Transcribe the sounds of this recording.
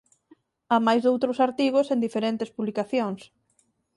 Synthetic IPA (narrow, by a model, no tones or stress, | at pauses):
amajzðowt̪ɾʊsaɾt̪iɣ̞osend̪ifeɾent̪espuβlikaθjoŋs